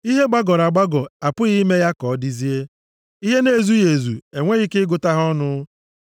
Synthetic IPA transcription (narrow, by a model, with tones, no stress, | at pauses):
i˦ɦe˦ɡ͡ba˦ɡɔ˨ɾa˨ɡ͡ba˦ɡɔ˨a˨pʊ˦ɣi˦me˦ja˦kɔ˨˦di˦zi˦e˦ | i˦ɦe˦ne˦˨zu˦je˨zu˨e˨ŋʷe˦ɣɪ˦kɪ˦ɡʊ˨ta˦ɦɔ˦nʊ˦